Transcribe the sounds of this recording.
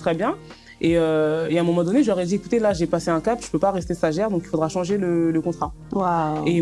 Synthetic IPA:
t̪χɛbjɛ̃ | eøeɛ̃mɔmɑ̃d̪ɔneʒəɔʁɛd̪iekut̪elaʒɛpaseɛ̃kapʒ̥ə̥pøpaʁɛst̪esaʒɛʁd̪ɔ̃kilfod̪ʁaʃɑ̃ʒelələkɔ̃t̪χa | wae

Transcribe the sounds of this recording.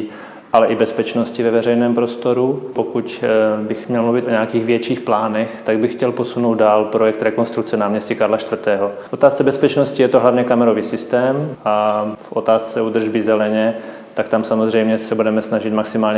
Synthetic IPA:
ʔalɛʔɪbɛspɛt͡ʃno̞scɪvɛvɛrɛjnɛːmpɾo̞st̪o̞ɾupokucbɪxmɲɛlmluvɪt̪ʔoɲɛakiːɣvjɛt͡ʃiːxplaːnɛxt̪aɡ̚bɪxːcɛlposunowd̪daːlpɾojɛk̚t̪ɾɛkonst̪ɾuk̚t͡sɛnaːmɲɛscikaɾlaʃt̪vr̩t̪ɛːɦofʔo̞t̪aːst͡sɛbɛspɛt͡ʃnoscɪjɛt̪oɦlavɲɛkamɛɾoviːsɪst̪ɛːmʔafʔot̪aːst͡sɛuːd̪r̩ʒbɪzɛlɛɲɛ | t̪akt̪amsamozr̝ɛjmɲɛsɛbudɛmɛsnaʒɪt̪maksɪmaːlɲɛ

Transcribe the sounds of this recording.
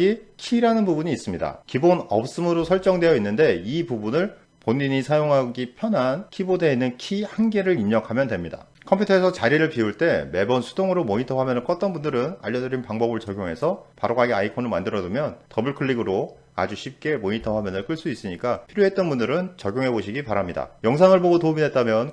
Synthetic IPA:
ikʰiːɾanɯnbubuɲiːs͈ɯmɲida̰kibonʌp̚s͈ɯmɯɾosʰʌɭt͡ɕ͈ʌŋdwe̞jʌinːɯnde̞ipubunɯɭ | poɲːiɲisʰajoŋɦaɡipʰjʌnɦankʰibodeinːɯnkʰihanɡe̞ɾɯɾiɲʌkʰamjʌndwe̞mɲida̰ | kʰʌmpʰutʰʌesʰʌt͡ɕaɾiɾɯɭpiuɭt͈e̞me̞bʌnsʰu̥doŋɯɾomoɲitʰʌɸwamjʌnɯɭk͈ʌt̚t͈ʌnbundɯɾɯna̰ʎːʌdɯɾinpaŋbʌbɯɭt͡ɕʌɡʲjoŋɦe̞sʰʌpaɾoɡaɡeaipʰonɯɭmandɯɾʌdɯmjʌntʌbɯɭkʰɯɭːiɡɯɾo | a̰d͡ʑuɕʰip̚k͈e̞moɲitʰʌɸwamjʌnɯɭk͈ɯɭs͈uis͈ɯɲik͈apʰiɾjoɦe̞t̚t͈ʌnbundɯɾɯnt͡ɕʌɡʲjoŋɦe̞boɕʰiɡipaɾamɲida̰jʌŋsʰaŋɯɭboɡotomide̞t̚t͈amjʌn

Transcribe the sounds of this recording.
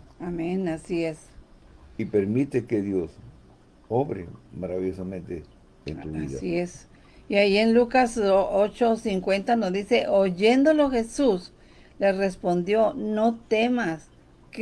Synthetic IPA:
amẽnasies | ipeɾmit̪ekeðjos | oβɾḛmaɾaβiʝosamẽnt̪e | ḛnt̪uβiða̰ies | iaienlukasoot͡ʃosiŋkwent̪anozðiseʔoʝend̪oloxesus | lerespond̪jonot̪emas | k

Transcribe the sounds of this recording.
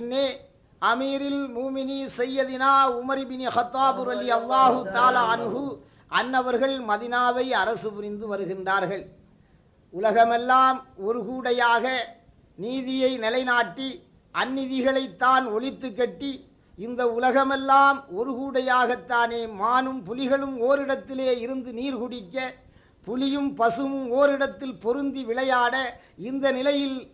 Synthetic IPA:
ɪnːeː | ʔɐmiːɾɪlmuːmɪnisɛjːɐðɪnaːʊmɐɾɪbɪnixɐt̪ːaːbɾɐðɪjɐlˠːaːɦɯt̪ːaːlaːɐnɣʊ | ʔɐnːɐʋɐɾɣɐɭmɐðɪnaːʋɐɪɐɾɐsɯpɪɾɪnd̪ɯʋɐɾɯɣɪndraːɾɣɐɭ | ʊlɐɣɐmɛlːaːmɔɾɯɣuːɽɐjaːɣɐ | niːðɪjɐɪnɪlɐɪnaːʈːi | ʔɐnːɪðɪɣɐɭɐɪt̪ːaːnɔɭɪt̪ːɯk̬ːɐʈːi | ɪnd̪ɐʊlɐɣɐmɛlːaːmɔɾɯɣuːɽɐjaːɣɐt̪ːaːneːmaːnɯmpʊlɪɣɐɭɯmoːɾɪɽɐt̪ːɪleːɪɾɯnd̪ɯniːɾɣʊɽɪkːɐ | pʊlɪjɯmpɐsɯmɯmoːɾɪɽɐt̪ːɪlpɔɾɯnd̪iʋɪɭɐjaːɽɐ | ɪnd̪ɐnɪlɐjɪl

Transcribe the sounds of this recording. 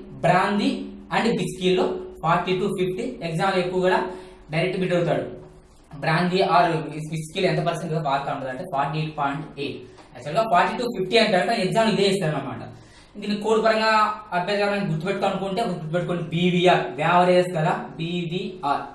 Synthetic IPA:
bɾaːnd̪iɐɳɖebiskilːoːpʰaːɾʈːiːʈuːpʰipʰʈieɡzaːmlekːuʋɐɡɐɽaː | ɖɐɾek̚ʈibiʈɐwt̪̬aːɽu | bɾaːnd̪iːaːɾbiskiːlːoent̪̬ɐpɐɾseɳʈiɐpaːɾk̪aːuɳʈuɐɳʈeːpʰaːɾʈieːʈ̚pʰɔːjɳʈeːʈ | ɛkt͡ʃːuɐlɡaːpʰaːɾʈːiːʈuːpʰipʰʈiɐɳʈ̪aːɽut̪aeɡzaːmluid̪eːeːst̪aːɾumaːma̰ːʈɐ̰ | inɡ̪inikoːɽupɐɾɐŋɡaːɐbjɐd̪aːɾaːniɡut̪ːupeʈ̚uk̪uɐnukuɳʈeːɡuut̪ubeʈːukonibiːbiaːɾʋjaːʋɐɾesɡɐlaːbiːbiːaːɾ

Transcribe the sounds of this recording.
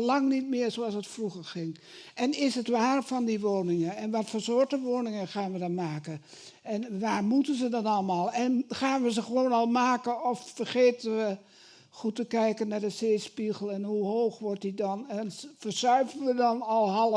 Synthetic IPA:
lɑŋnitmɪərsoɑsətfruɣərxɪŋɛnɪsɦətʋaːrfɔndiʋoːnɪŋəɛnʋɔtfəsoərtəʋoːnɪŋəxaːnʋədɔnmaːkə | ɛnʋaːrmutənzədɔnɑlˠmaːlˠɛnxaːnʋəsəχəʋoːnɔlˠmaːkəɔfːərχeːtənʋə | χutəkɛjkənːadəseːspiɣəlˠɛnhuɦoːxʋɔrtdidɔnɛnfərsœɥvənʋədɔnɔlˠɦɑlˠə

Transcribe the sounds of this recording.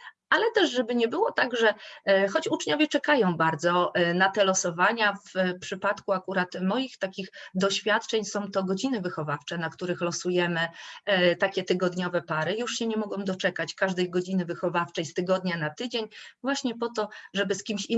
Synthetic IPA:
alɛt̪ɛʂʐɛbɘɲɛbɘwɔt̪aɡʐɛxɔt͡ɕut͡ʂɲɔvʲjɛt͡ʂɛkajɔ̃w̃baɾd̪zɔnat̪ɛlɔsɔvaɲafpʂɘpat̪kuakuɾat̪mɔjixt̪akʲixd̪ɔɕfʲjat̪t͡ʂɛɲsɔ̃w̃t̪ɔɡɔd͡ʑinɘvɘxɔvaft͡ʂɛnakt̪uɾɘxlɔsujɛmɘt̪akʲɛt̪ɘɡɔd̪ɲɔvɛpaɾɘjuʂɕɛɲɛmɔɡɔ̃w̃d̪ɔt͡ʂɛkat͡ɕkaʐd̪ɛjɡɔd͡ʑinɘvɘxɔvaft͡ʂɛjst̪ɘɡɔd̪ɲanat̪ɘd͡ʑeɲvwaɕɲɛpɔt̪ɔʐɛbɘskʲimɕi

